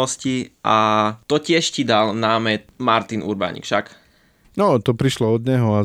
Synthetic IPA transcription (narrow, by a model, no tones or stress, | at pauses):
ɔsciʔat̪ɔcɪɛʃcid̪alnaːmɛmaɾt̪inʔṵɾba̰ɲḭkʃak | nɔt̪ɔpɾiʃlɔɔd̪ɲɛɦɔa